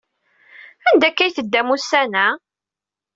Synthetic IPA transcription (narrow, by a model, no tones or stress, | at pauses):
ænd̪ækːæjθəd̪ːæmusːænæ